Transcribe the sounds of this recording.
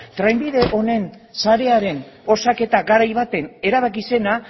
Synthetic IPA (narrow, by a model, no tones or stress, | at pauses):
t̪ɾajmbiðe̞ʔo̞ne̞n | saɾe̞aɾe̞n | o̞sake̞t̪aɡaɾajβat̪e̞ne̞ɾaβ̞akise̞na